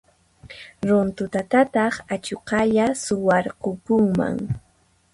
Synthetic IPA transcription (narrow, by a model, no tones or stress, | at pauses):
ɾʊnt̪ʊt̪at̪at̪ɑχat͡ʃoqɑʎasʊwɑɾqʊkʊŋma̰ŋ